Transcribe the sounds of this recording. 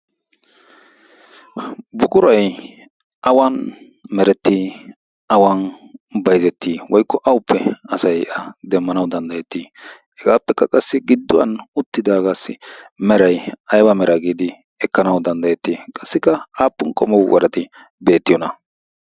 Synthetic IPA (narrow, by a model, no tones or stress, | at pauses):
bʊkʼʊɾɐj | ʔɐwɐn | mɛɾɛt̪ːi | ʔɐwɐnbɐjzɛt̪ːiːwɔjkːɔʔɐwʊpʰːɛɐsɐjʔɐd̪ɛmːɐnɐwd̪ɐnd̪ɐjɛt̪ːiː | hɛɡaːpːɛkːɐkʼɐsːɪɡɪd̪ːʊwɐ̰nʊt̪ːɪd̪aːɡaːsːɪ̰mɛɾɐjɐjbɐmɛɾɐɡiːd̪ɪ | ɛkːɐnɐwd̪ɐnd̪ɐjɛt̪ːiːkʼɐsːɪkːɐaːpːʊnkʼɔmɔwwɐ̰ɾɐt̪ɪ | be̞ːt̪ːɪjɔnɐ